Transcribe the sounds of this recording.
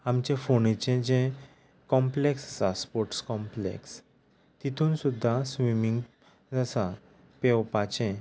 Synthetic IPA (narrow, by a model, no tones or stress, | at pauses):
amt͡ɕẽfonit͡ɕẽd͡ʑɛ̃ | kɔ̃mpleksəsaspɔɾʈskɔ̃mplḛks | t̪it̪ʰuːnsud̪ʱːasʋimiŋɡ | d͡zasa | pewpat͡ɕẽ